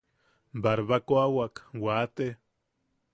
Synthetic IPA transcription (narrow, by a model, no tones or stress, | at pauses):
baɾβakoawakwat̪e